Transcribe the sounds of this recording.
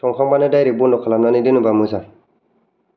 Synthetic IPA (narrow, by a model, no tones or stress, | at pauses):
toŋkabanedajɾibundokalamnanidinubamusa